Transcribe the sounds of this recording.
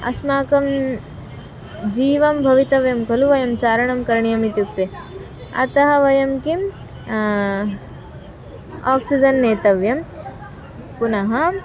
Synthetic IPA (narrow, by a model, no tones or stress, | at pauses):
ɐ̰smaːkɐm | d͡ʒiːʋɐmbʱɐʋit̪ɐʋjɐmkɐluʋɐjɐmt͡ʃaːɾɐɳɐmkɐɾɳijɐmit̪juk̚t̪e | ɐ̰t̪ɐɦɐʋɐjɐmkim | aːksid͡ʒɐnːeːt̪ɐʋjɐm | punɐɦɐ